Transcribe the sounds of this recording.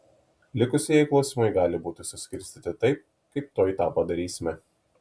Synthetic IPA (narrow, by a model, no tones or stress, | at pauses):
lʲɪkʊsʲeːjɛɪklˠɒʊsʲiːmɐɪɡɑːlʲɪbuːt̪ʲʊsʲʊsʲkʲɪɾʲsʲt̪ʲiːt̪ʲɪt̪ɐɪp̚ | kɐɪp̚t̪oːjit̪ɑːpɐd̪ɐɾʲiːsʲɪmʲɛ